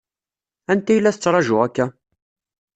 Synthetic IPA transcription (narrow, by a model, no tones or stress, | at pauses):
ænt̪æjlːæθət͡sːɾˤɑʒʊækːæ